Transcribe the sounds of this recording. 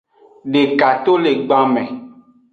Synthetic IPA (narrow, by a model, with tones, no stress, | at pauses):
ɖe˨ka˨t̪o˦le˨ɡ͡ba˦mɛ̃˨